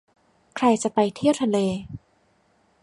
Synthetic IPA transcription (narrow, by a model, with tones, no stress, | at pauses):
kʰɾa˧jt͡ɕa˨˩pa˧jt̪ʰi˥˩əwt̪ʰa˧leː˧